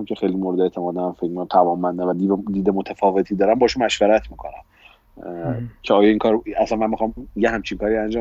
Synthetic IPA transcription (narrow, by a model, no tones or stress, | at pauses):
mcʲʰe̞xejlimoɾed̪eet̪ʰemɒːd̪emænfecmikæmt̪ʰævɒːmːænd̪evæd̪id̪iːd̪emot̪ʰæfɒːve̞t̪ʰiːd̪ɒːɾænbɒːʃunmæʃvæɾæt̪ʰmiːkʰo̞̰næ̰n | cʰeɒːjɒiŋkʰɒːɾæsænmæmixɒːmjeɦæmt͡ʃʰiŋkʰɒːɾiænd͡ʒɒː